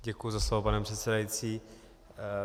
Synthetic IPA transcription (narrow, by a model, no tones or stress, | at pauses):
ɟɛkujuzaslovopanɛpr̥ɛt̪sɛdajit͡siː